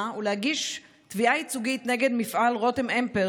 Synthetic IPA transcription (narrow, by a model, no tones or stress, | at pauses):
ulehaɡiʃ | tviait͡suɡit̪ne̞ɡe̞d̪mifʔalʁo̞temʔempe